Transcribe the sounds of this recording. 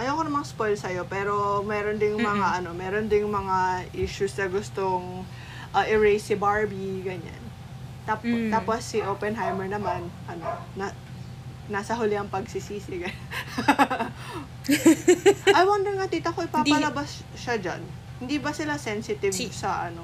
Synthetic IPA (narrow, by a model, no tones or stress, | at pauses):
ʔɐjɐwkonɐmɐŋaspojlsɐjo̞pɛːɾo̞mɛːɾond̪ɪŋmɐŋaʔɐno̞mɛːɾond̪ɪŋmɐŋaʔiʃusnɐɡʊst̪oŋ | ʔɐʔɪɹejsɪbaɹbiɡɐɲa̰n | t̪apt̪aːposːɪʔopɛnɦajmɛɹnɐmanʔɐno | ɐ | nasɐɦʊlɪɐŋpɐɡsisiːsɪɡɐ | ʔɐjwɐnd̪ɪnkɐt̪iːt̪ɐkoʔɪpaːpɐlɐbas | ʃɐd͡ʒa̰n | hɪnd̪ibɐsɪlasɛnsɪt̪ɪvsɐʔɐno̞